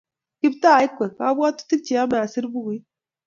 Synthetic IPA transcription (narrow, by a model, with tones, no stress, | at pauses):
ki˦btaː˦˨i˦kʷːɛ˨ka˨˦bwa˦tːu̥˦ti˦k̚t͡ʃi˦˨a˦ma˨si˦ɾbu˦ɡi˦